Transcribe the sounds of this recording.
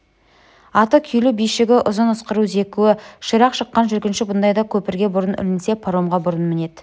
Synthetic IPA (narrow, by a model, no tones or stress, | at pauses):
ɑt̪əkʲʰʏjlubijʃɪɡʲɪʔʊzənʊsqəɾuze̞kʲuwɪʃəɾɑqʃəqːɑnʒʏɾkʲɪnʃɪbʊnd̪ɑjd̪ɑkʲʰɵpɪɾɡʲe̞bʊɾənʏ̰lɪnse̞pʰoɾo̞mʁɑbʊɾənmɪne̞d̪